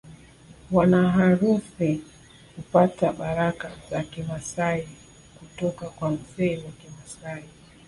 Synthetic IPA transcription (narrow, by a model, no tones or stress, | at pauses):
wanaɦaɾusi | kupataɓaɾakazakimasai | kutɔkakwam̩zɛiwakimasai